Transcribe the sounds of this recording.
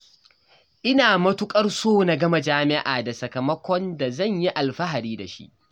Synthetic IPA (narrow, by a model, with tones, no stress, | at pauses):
ʔɪ˦naː˨mɐ˦tʊ˦kʼɐ˦rsoː˦na˨ɡɐ˦ma˦d͡ʒaː˦mɪ˦ʔaː˨da˨sɐ˨kɐ˨mɐ˦kʷɔ˦nda˨zɐ˦˨ɲji˦ʔa˨lɸɐ˦ɦa˨ɽiː˦da˨ʃḭ˦ʔ